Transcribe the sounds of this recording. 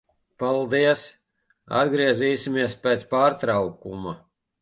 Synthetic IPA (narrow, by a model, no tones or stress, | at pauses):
palˠd̪iɛs | a̰d̪ɡɾiɛziːsimiɛspɛːt̪spaːɾt̪ɾawkuma